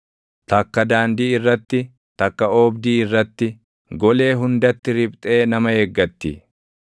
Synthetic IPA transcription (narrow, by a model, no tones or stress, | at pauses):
t̪ɐkːɐd̪aːnd̪iːɪrːɐt̪ːɪ | t̪ɐkːɐoːbd̪iːɪrːɐt̪ːɪ | ɡɔle̞ːɦʊnd̪ɐt̪ːɪɾɪbt̪ʼe̞ːnɐmɐhɛɡːɐt̪ːḭ